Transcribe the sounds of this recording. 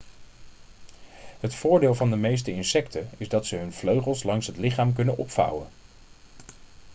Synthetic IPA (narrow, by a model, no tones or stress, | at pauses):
ɦətfʊːɹdeːlˠvɑndəmejs̬təɪnsɛktʰəɪzdɑtsəɦɵnv̥løɥχəlˠslɑŋsɦətlɪχaːmk̬ɵnənʔɔ̰pfʌ̰wə̰n